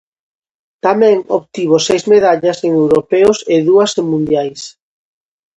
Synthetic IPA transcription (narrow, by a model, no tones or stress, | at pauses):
t̪amɛ̃ŋoβt̪iβ̞osejzmeðaʎaseŋewɾopeoseðuɐseŋmũnd̪jajs